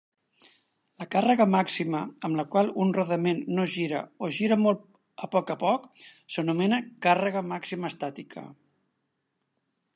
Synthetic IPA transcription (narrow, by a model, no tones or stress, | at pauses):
ləkarəɣəmaksiməəmləkwalˠunruðəmenːoʒiɾə̰oʒiɾəmolˠ | əpɔkəpɔksənumɛnəkarəɣəmaksiməːst̪at̪ikʰə̰